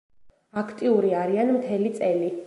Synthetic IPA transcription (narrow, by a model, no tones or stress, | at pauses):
akʰt̪ʼiuɾiaɾianmt̪ʰɛlit̪sʼɛli